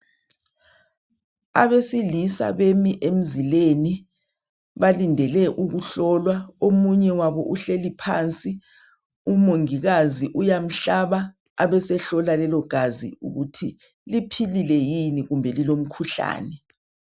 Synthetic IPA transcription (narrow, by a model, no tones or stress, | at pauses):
a̰βesilisa̰βemiʔem̩zileni | βalindʱɛlɛʔuɣuɬɔːlwaomuɲɛwaβɔʔuɬelipʰa̰ːnt͡sʼi | umoŋiɣaziʔujam̩ɬaβaː | βɛsɛɬɔlalɛlɔɡ̥ʱazḭṵɣutʰi | lipʰililɛjiniɣumbʱɛlilom̩kʰuɬa̰ːnɛ